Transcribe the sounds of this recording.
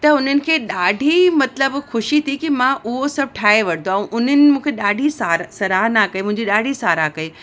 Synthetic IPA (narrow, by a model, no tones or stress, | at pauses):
t̪ɐʊn̤ənɪ̆kʰeːɗaːɖʱimɐt̪ləbxʊʃit̪ʰikimãʔʊɦosɐb̚ʱʈʰaːɦeʋɐɽ̤̃nd̪oɛ̃ʔʊn̤ənɪ̆mũːkʰeɗaːɖʱisaːɾsɐɾaːɦnakɐemʊ̃ɦɪ̃ɲd͡ʑiɗaːɖʱisaːɾakɐe